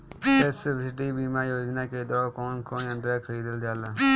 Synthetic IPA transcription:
sesɪbɪsɪʈiːbiːmaːjoːd͡ʒnaːked̪ɔːkoːnkoːnĩə̃nd̪ɾaːkʰəɾiːd̪əld̪aːlaː

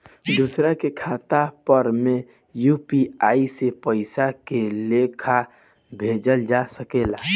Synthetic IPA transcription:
d̪usɾakekʰaːt̪apəɾmẽ | jupiaːisepəɪsakelekʰa | bʱeːd͡ʒəld͡ʒasəkela

